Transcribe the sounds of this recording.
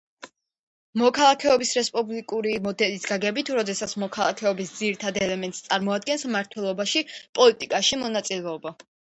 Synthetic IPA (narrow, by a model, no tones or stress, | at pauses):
mɔkʰalˠakʰɛɔbisɾɛspʼublikʼuɾimɔd̪ɛlisɡaɡɛbit̪ʰuɾɔd̪ɛsat̪sʰmɔkʰalˠakʰɛɔbisd̪ziɾit̪ʰad̪ɛlɛmɛnt̪ʼst̪sʼaɾmɔad̪̚ɡɛnsmaɾt̪ʰwɛlˠɔbaʃipʼɔlit̪ʼikʼaʃimɔnat̪sʼilɛɔba